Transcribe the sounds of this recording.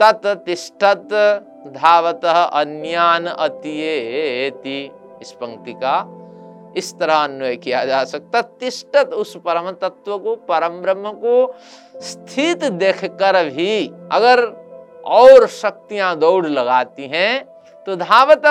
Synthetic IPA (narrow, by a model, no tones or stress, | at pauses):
t̪ɐt̪t̪ɪsʈət̪ | d̪ʱaːʋət̪əɦʔɐnjaːnɐt̪ieɦeeːt̪i | spɐ̃ŋt̪ika | ɪst̪ɐɾaɐnwəjkijad͡ʒaːsɐk̚t̪at̪ɪsʈət̪ʊspɐɾəmt̪ət̪wəkopɐɾəmpɾəməko | st̪ʰit̪d̪eːkʰkəɾbʱiɐ̰ɡəɾ | ɔːɾʃɐk̚t̪ijãd̪oːɽlɐɡaːt̪iɦɛ̃ | t̪od̪ʱaːʋət̪